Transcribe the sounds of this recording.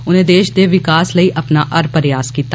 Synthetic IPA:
ʊnẽːd̪eːʃd̪eːʋɪkaːsləiːʔɐpnaːʔɐɾpəɾjaːskiːt̪a

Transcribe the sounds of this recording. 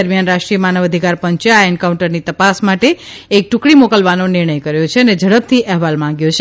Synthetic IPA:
əɾmjanɾaʃʈɾijəmanəʋəd̪ʱikaɾpəɲt͡ʃaaeɳkaũɳʈəɾnit̪əpasmaʈeek̚ʈukɽimokəlʋanonɪɾɳ̃əjkəɾjot͡ʃʰeəned͡ʒəɽəb̚t̪ʰiʔɛɦʋalmãŋɡjot͡ʃʰe

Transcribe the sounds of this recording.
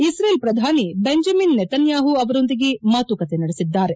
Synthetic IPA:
isɾeːlpɾɐd̪ʱaːnibeɲd͡ʒɐminːɛt̪ɐnjaːɦuɐʋɐɾo̞nd̪iɡemaːt̪ukɐt̪enɐɽesid̪ːaːɾe̞

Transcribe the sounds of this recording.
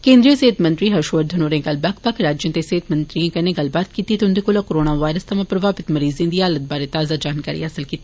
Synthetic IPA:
kẽːnd̪ɾiəseːt̪mɐ̃nt̪ɾiɦɐʃʋəɾd̪ʱɐnoːɾẽɡɐlbak̚pɐkʰɾaːd͡ʒjõt̪eseːt̪mɐ̃nt̪ɾijẽkɐnẽɡɐlbaːt̪̚kiːt̪it̪ʊnd̪ekolakoɾoːnaʋaːɪɾəst̪ɐmãpɾɐʋaːpɪt̪mɐɾiːzẽːnd̪iaːlət̪̚baːɾet̪aːzad͡ʒaːnkaːɾḭɐsəlkiːt̪ː

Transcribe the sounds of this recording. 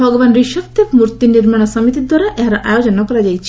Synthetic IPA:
bʱɔɡɔbanɾiʃɔkt̪ʰjekmuɾt̪iniɾmaɽ̃ɔsɔmit̪id̪waɾaʔeɦaɾɔʔajod͡ʒɔnɔkɔɾad͡ʒajt͡ʃʰi

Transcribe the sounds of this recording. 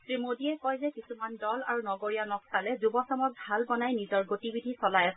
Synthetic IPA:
tɹimodiɛkɔjzɛkisumandɔla̰ɹunɔɡoɹijanɔksalɛzubɔsɔmɔk̚bʱalbɔnajnizɔɹɡotibidʱisɔlajas

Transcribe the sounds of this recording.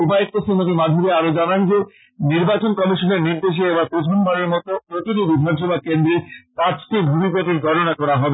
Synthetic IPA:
ubaek̚t̪osimot̪imad̪ʱuɾeaɾod͡ʑanand͡ʑe | niɾbat͡ɕonkɔmiʃoneɾniɾd̪eʃ̬eebaɾpɾot͡ɕʰonbaɾeɾmɔt̪opɾot̪iʈibid̪ʱanʃ̬ɔbʱakend̪ɾepat͡ɕʈibʱubipopiɾɡʱɔʈonakɔɾaɦɔbe

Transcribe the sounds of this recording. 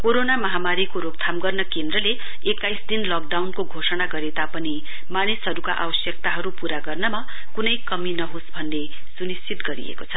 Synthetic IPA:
koɾonamʌɦamaɾikoɾok̚t̪ʰamɡʌrnʌkend̪rʌle | ekːajsd̪inlʌk̚ɖawnkoɡʱosʌnaɡʌɾet̪apʌni | manisɦʌɾuka̰ʔa̰bʌsjʌk̚t̪aɦʌɾupuɾaɡʌrnʌma | kunʌjkʌminʌɦosbʱʌnːe | sunist͡sʰit̪ɡʌɾḭḛkot͡sʰʌ

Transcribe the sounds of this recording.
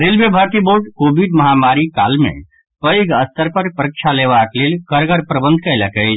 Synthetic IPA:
ɾelbebʱəɾt̪iboɾɖkobiɖməɦamaɾikalmḛ̃ | pəjɡəst̪əɾpəɾpəɾək̚t͡ʃʰaleʋaklelkəɾɡəɾpɾəbə̃nd̪̚ʱkələkə

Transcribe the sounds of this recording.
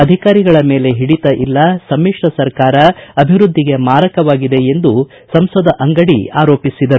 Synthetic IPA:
ɐd̪ʱikaːɾiɡɐɭɐme̞ːle̞ɦiɽit̪ɐʔilːɐsɐmːiʂɾɐsɐɾkaːɾɐɐbʱiʋɾud̪ʱːiɡe̞maːɾɐkɐʋaːɡid̪e̞end̪u | sɐmsɔd̪ʱɐʔɐŋɡɐɽḭaːɾoːpisid̪ɐɾu

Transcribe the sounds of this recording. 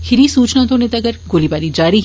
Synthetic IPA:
hʰɪɾisuːt͡ʃnãt̪õnet̪ɐɡəɾɡoːlibaːɾid͡ʒaːɾi

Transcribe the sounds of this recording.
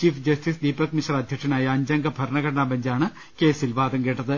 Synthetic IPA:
t͡ɕiːfd͡ʑɐsʈisd̪iːpɐkmiɕɐɾɐd̪ʱjɐkʂɐnaːjɐːɲd͡ʑɐŋɡɐbʱɐɾɳɐɡɐɽɐɳaːbɐɲd͡ʑaːɳɨ | ke̞ːsilʋaːd̪ɐŋkeːʈːɐðɨ

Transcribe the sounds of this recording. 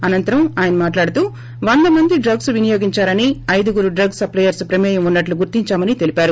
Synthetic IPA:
ɐnɐnt̪ɐɾɐmaːjɐnɐmaːʈlaːɽut̪uː | ʋɐnd̪ɐmɐnd̪iɖɾɐɡsʋinijoːɡiɲt͡ʃaːɾɐniɐjd̪uɡuɾuɖɾɐɡsɐplɐjɐɾspɾɐmɛːjɐmunːɐʈluɡuɾt̪iɲt͡ʃaːmɐnit̪e̞lipaːɾu

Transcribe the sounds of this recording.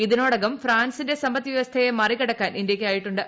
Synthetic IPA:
iðinoːɽɐɣɐmfraːnsinde̞sɐmbɐt̪ːiʋiʋɐst̪ʰɐjemɐrikɐɽɐkːaːnʔindjɐkʲːɨaːjiʈːuɳɖɨ

